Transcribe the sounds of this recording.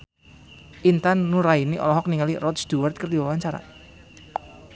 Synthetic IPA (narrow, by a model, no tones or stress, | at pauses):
ʔint̪anːuɾainiʔɔ̰lɔɦɔk̚niŋalirɔt̪sd̪̥uwart̪̚kərd̪iwawaɲt͡ʃaɾa̰